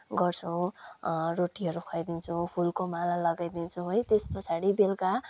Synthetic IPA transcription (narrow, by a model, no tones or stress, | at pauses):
ɡʌrt͡sʰuw | roʈiɦʌɾukʰʌjd̪int͡sʰũpʰulkomalalʌɡajd̪int͡sʰũɦojt̪espʌt͡sʰaɽibelka